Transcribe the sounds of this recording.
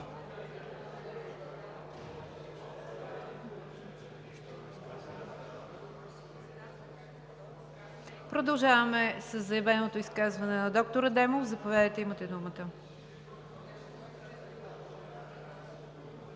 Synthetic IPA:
pɾod̪ɐlˠʒavɐmɛsəzːɐjɐvɛnot̪oiskazvɐnɛnɐd̪ɔk̚t̪oɾəd̪ɛmofzɐpovʲjad̪əjt̪ɛimət̪ɛd̪umət̪ə

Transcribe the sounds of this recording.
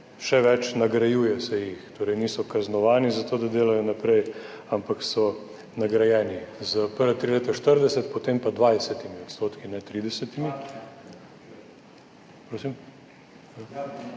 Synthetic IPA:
ʃɛʋɛt͡ʃnɐɡɾɐjuːjɛsɛjixt̪oːɾɛjniːsɔkaznɔʋaːnizat̪oːd̪ad̪eːlajɔnapɾɛj | ampaksɔ | nɐɡɾɐjɛːnizəpəɾʋat̪ɾileːt̪aʃt̪əɾd̪ɛsɛt̪pot̪eːmpad̪ʋajsɛt̪imiot̪st̪oːt̪kinɛt̪ɾiːd̪ɛsɛt̪imi | pɾoːsim | a

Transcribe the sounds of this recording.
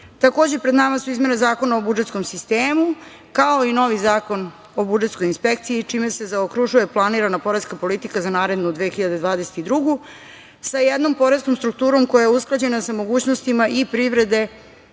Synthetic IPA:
t̪ako̞ːd͡ʑepɾed̪namasuizme̞nezaːko̞naobud͡ʒet̪sko̞msist̪eːmu | kao̞ino̞ʋizaːko̞n | o̞bud͡ʒet̪sko̞jinspe̞kt̪siit͡ʂime̞se̞zaokɾuʒuje̞plˠaniɾanapo̞ɾeskapo̞lit̪ikazanaːɾe̞d̪nud̪ʋexiʎad̪e̞d̪ʋaːd̪eset̪id̪ɾuɡu | sajed̪no̞mpo̞ɾeskomst̪ɾuk̚t̪uːɾo̞mko̞jajeusklˠad͡ʑe̞nasamo̞ɡuːt͡ɕnost̪imaʔipɾiʋɾe̞d̪e̞

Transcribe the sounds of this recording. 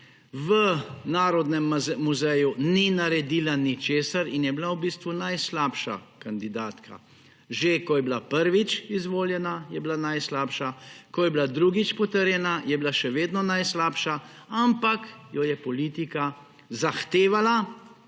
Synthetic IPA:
ʋənaːɾɔd̪nɛmːuzɛjuninaɾɛd̪iːlanit͡ʃeːsaɾinjɛblawbist̪ʋunajslaːpʃa̰kand̪id̪aːt̪kʰa̰ | ʒekɔjɛblapəɾʋit͡ʃizʋoːljɛnajɛblanajslaːpʃakɔjɛblad̪ɾuɡit͡ʃpɔt̪əɾjɛnajɛblaʃɛʋeːd̪nɔnajslaːpʃa | ampakjɔjɛpɔliːt̪ika | zaxt̪eːʋala

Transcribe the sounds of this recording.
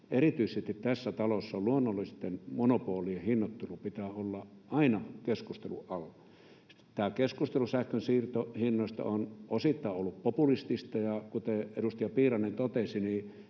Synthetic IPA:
erit̪yisest̪it̪t̪æsːæt̪ɑlosːɑolluonːolːist̪ːenmonopuoliehinːot̪ːulupit̪æːolːɑʔɑinɑkeskust̪ḛlṵʔʔɑlːɑ | t̪æːkeskust̪elusæhkønsiːrt̪ohinːoˑist̪ɑ̰onʔosit̪ːɑˑeʔʔolːuppopulist̪ist̪ɑjɑkut̪eedust̪ijɑpiːrɑnːent̪ot̪esiniː

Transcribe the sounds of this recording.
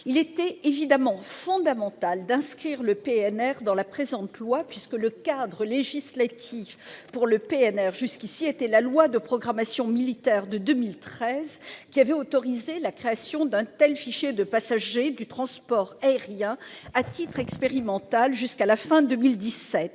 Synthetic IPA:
ilet̪ɛevid̪amɑ̃fɔ̃d̪amɑ̃t̪ald̪ɛ̃skχiʁləpeɛnɛʁd̪ɑ̃lapχezɑ̃t̪lwapɥiskələkad̪ʁəleʒislat̪ʰifpuʁləpeɛnɛʁʒyskʲisiet̪ɛlalwad̪əpχɔɡʁamasjɔ̃milit̪ɛʁd̪əd̪ømilt̪χɛzkʲiavɛot̪ɔʁizelakχeasjɔ̃d̪ɛ̃t̪ɛlfiʃjed̪əpasaʒed̪yt̪χɑ̃spɔʁaeʁjɛ̃at̪it̪χɛkspeʁimɑ̃t̪alʒyskalafɛ̃d̪əmild̪isɛt̪

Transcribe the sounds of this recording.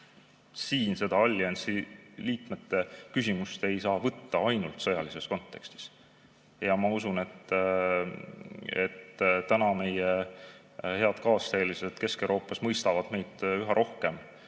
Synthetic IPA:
siːnse̞d̪̥ɑɑlʲːensiliːt̪me̞t̪ːe̞kys̬ʲimust̪e̞jsɑːvɤt̪ːɑɑjnult̪sɤjɑlise̞sko̞nt̪ːe̞kst̪i̥s | jɑmɑusune̞t̪ː | ḛt̪t̪ænɑme̞je | he̞ɑd̪̥kɑːst̪eːliset̪ke̞ske̞wɾoːpːˑɑsmɤjst̪ɑvɑd̪̥me̞jd̪̥yɦɑɾʔo̞hkem

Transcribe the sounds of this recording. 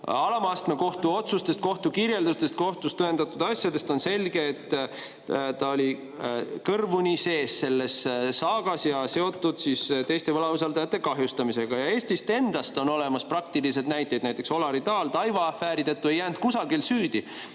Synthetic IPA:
ɑlɑmɑst̪meko̞ht̪uo̞t̪sust̪est̪̚ko̞ht̪ukirje̞ld̪ust̪e̞st̪̚ko̞ht̪ust̪ɤend̪̥ɑt̪ːˑud̪ɑsʲjɑd̪e̞st̪o̞nse̞lʲɡe̞ːt̪ːˑ | t̪ɑolʲi | kɤrvunʲise̞ːsːe̞lːe̞sːɑːɡ̥ɑsjɑse̞o̞t̪ːˑud̪̥siːst̪e̞jst̪e̞vɤlɑus̬ɑlt̪ɑjɑt̪ːˑe̞kɑɦjust̪ɑmise̞ɡ̥ɑjɑe̞ːsʲt̪ist̪e̞nd̪̥ɑst̪o̞no̞le̞mɑsprɑk̚t̪ilis̬e̞d̪næjt̪ˑːejd̪næjt̪ːˑe̞kso̞lɑɾid̪ɑːlt̪ɑjvɑːfæːɾid̪et̪ːˑue̞jːæːnt̪̚kusɑɡilsyːd̪̥i

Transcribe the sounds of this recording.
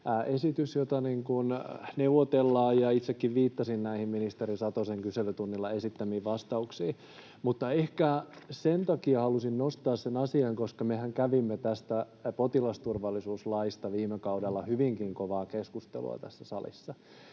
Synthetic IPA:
ʔesit̪ysjot̪ɑniŋkunneuʋot̪elːɑːjɑit̪sekːiʋʋiːt̪ːɑsinnæihimminist̪eɾisɑt̪oseŋkyselyt̪unːilːɑesit̪ːæmiːʋʋɑst̪ɑuksiː | mut̪ːɑehkæsent̪ɑkiɑhɑlusinnost̪ɑːssenɑsiɑŋkoskɑmehæŋkæʋimːet̪æst̪æ | pot̪ilɑst̪urʋɑlːisuːslɑist̪ɑʋiːmekɑudelːɑhyʋiŋkiŋkoʋɑːkeskust̪ḛlṵɑ̰t̪æ̰sːæsɑlḭsːɑ

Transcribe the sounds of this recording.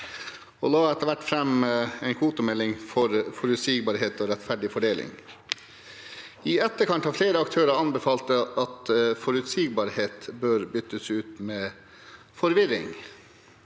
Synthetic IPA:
ɔlɑːɛt̪əɾʋæʈːfɾɛmɛɪnkʰʋuːt̪ʊmɛlːɪŋfɔɾfɔɾʉt̪siːɡbɑːɾɦeːt̪ɔːɾɛt̪fæɖɪfɔɖeːlʔɪ̰ŋ | ɪɛt̪ːəkʰɑnt̪hɑfleːɾəɑkt̪ʰøːɾəɑnbəfɑːlt̪əɑt̪fɔɾʉt̪siɡ̚bɑːɾheːt̪bøːɾbʏt̪ːəsʉːt̪mɛː | fɔɾʋɪɾɪ̰ŋ

